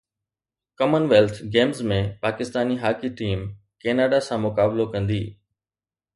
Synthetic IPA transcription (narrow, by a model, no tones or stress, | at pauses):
kəmənʋeːlt̪ʰɡeːmzmẽpaːkɪst̪aːniɦaːkiʈiːm | keːnaːɖasãmʊkaːblokɐ̃nd̪iː